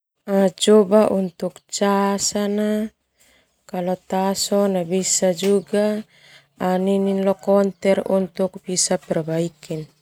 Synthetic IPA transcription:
at͡ʃɔbaʔunt̪uk̚t͡ʃasana | kalɔt̪asɔnabisad͡ʒuɡaː | nininlɔkɔnt̪ɛrunt̪uk̚bisapɛrbaikin

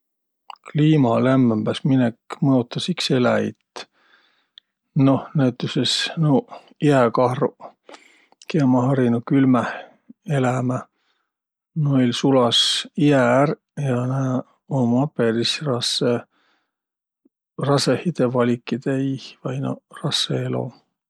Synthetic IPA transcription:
kliːmɑlæmːmb̥æsminekmɤjut̪ːˑɑsikselæit̪ | no̞hnæyt̪ːˑusesno | iækɑhru | kemɑɦɑɾinukylmæh | elæmæ | nojlsulɑsiær | jɑnæː | omɑpːeɾisrɑse | rɑsehid̪̥evɑlʲikːˑid̪̥eihvɑjno̰rɑsːeelo̞̰

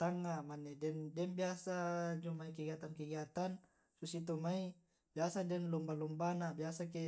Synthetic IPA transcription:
t̪aŋːamanːɛdɛndɛnbiasad͡ʒumaik̬iɡat̪ankiɡat̪an | susit̪̬umai | biasadɛnlumbalumbanabiasake

